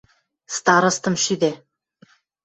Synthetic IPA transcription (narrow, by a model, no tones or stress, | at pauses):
st̪ɑɾɤ̆st̪ɤ̆mʃyd̪e